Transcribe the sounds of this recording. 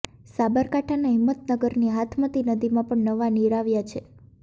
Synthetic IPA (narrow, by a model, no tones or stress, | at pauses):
sabəɾkaʈʰanaɦimːət̪nəɡəɾniɦat̪ʰmət̪inəd̪imãpəɳnəʋaniɾaʋjat͡ʃʰe